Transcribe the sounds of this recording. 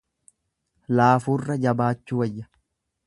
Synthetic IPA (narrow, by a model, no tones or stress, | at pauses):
laːfuːrːɐd͡ʒɐbaːt͡ʃːʊwɐjːɐ̥